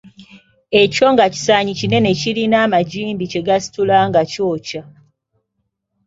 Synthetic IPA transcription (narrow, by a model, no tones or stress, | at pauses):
e̞co̞ŋɡaci̥saɲicine̞ne̞cilinaːmaɟiːmbice̞ɡasi̥tulaŋɡaco̞ːca